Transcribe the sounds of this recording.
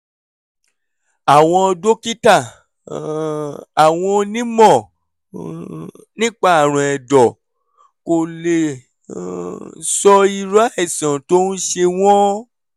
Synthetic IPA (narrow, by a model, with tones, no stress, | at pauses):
a˨w̃ɔ̃˧do˦ki˦ta˦˨ | a˨w̃ɔ̃˧nĩ˦mɔ̃˦˨ | nĩ˦k͡pa˦a˨ɾ̃ũ˨ɛ˨dɔ˨ | ko˨le˨ | sɔ˧i˧ɾa˦ɛ˦˨sã˨to˦n̩˦ʃe˧w̃ɔ̃˦